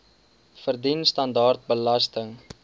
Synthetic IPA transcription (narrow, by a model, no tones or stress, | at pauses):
fərdinstɐndɑːrt̚bəlɐstəŋ